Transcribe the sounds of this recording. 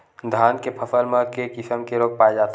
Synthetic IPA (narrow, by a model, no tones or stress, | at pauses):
d̪ʱaːnkepʰəsəlmekekisəmkeɾoːk̚paed͡ʒat̪